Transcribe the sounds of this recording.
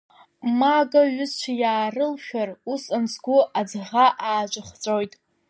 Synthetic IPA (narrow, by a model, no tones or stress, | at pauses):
maɡaɥʊzt͡ʃʷʰajaːrɨlʃᶣarusansɡʷʊʔad͡zʁaʔaːd͡ʒʷʼɨχt͡sʷʼojtʼ